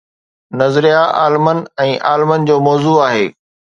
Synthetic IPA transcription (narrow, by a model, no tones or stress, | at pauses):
nɐzɾijaʔa̰ːlɪmən̆ɛ̃ːʔaːlɪmənɪ̆d͡ʑoːmɔːzuaːɦeː